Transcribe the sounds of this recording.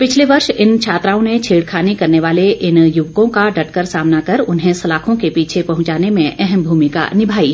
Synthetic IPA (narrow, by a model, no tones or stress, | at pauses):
pɪt͡ʃʰleʋɐɾʃɪnt͡ʃʰaːt̪ɾaːõnet͡ʃʰeːɽkʰaːnikɐɾneʋaːleʔɪnjʊʋkõkaɖɐʈkəɾsaːmnakɐɾʊnɦẽsɐlaːkʰõkepiːt͡ʃʰepɐɦʊ̃ɲt͡ʃaːnemẽʔɛɦɛmbʱuːmɪka̰nɪbʱaːiː